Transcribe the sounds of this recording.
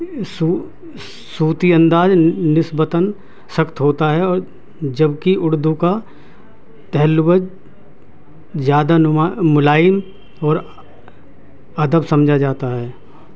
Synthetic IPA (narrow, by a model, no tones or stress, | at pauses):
su | suːt̪iə̃nd̪aːd͡ʒnɪsbət̪ən | sɐkt̪ɦoːt̪aɦɛɔːɾ | d͡ʒɐbkiʔʊɽd̪uka | t̪ɛɦlʊbəd͡ʒ | zjaːd̪anmamʊlaːjəm | ɔːɾ | ɐd̪əbsɐmd͡ʒʱad͡ʒaːt̪aɦɛː